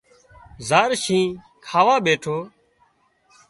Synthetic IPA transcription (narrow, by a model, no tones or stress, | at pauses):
zaːɾʃĩː | kʰaːʋaːɓeːʈʰoː